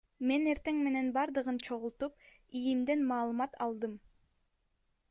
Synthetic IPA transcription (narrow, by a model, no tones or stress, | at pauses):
me̞ne̞ɾt̪e̞ŋme̞ne̞nbɑɾd̪ɯʁɯnt͡ʃʰo̞ʁulˠt̪up̚ | ijimd̪e̞nmɑːlˠɯmɑt̪ʰɑlˠd̪ɯm